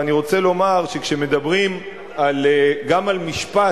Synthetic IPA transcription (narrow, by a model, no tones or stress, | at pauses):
aniʁo̞t͡se̞lo̞maʁʃe̞kʃeme̞d̪abʁim | aleɡamalmiʃpa